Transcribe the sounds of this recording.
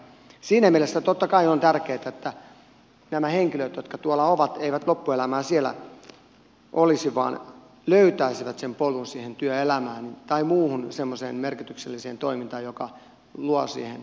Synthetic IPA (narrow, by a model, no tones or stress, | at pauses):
siːnæmielesːæt̪ot̪ːɑkɑiont̪ærkeːt̪æet̪ːæ | næmæheŋkiløt̪jot̪̚kɑt̪uolːɑoʋɑt̪eiʋæt̪lopːuelæmæːsielæ̰ | ʔolisiʋɑ̰ːn | løyt̪æisiʋæt̪sempolunsiːhent̪yøelæmæːnit̪ɑimuːhunsemːosḛːnmerkit̪ykselːiseːnt̪oimint̪ɑːjokɑ | luɑsḭːhen